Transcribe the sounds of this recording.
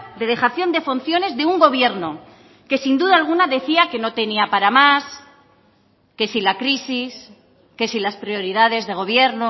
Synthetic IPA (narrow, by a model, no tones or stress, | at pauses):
d̪e̞ðe̞xaθjo̞nd̪e̞fon̟θjo̞ne̞zðe̞uŋɡo̞β̞je̞ɾno | ke̞sind̪uðalɣ̞unaðe̞θiake̞no̞t̪e̞niapaɾamas | ke̞silakɾisis | ke̞silaspɾjo̞ɾiðað̞e̞zðe̞ɣ̞o̞β̞je̞ɾno